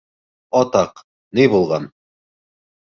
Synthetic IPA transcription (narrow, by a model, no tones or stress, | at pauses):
ɒt̪ɑq | nijbulˠʁɑn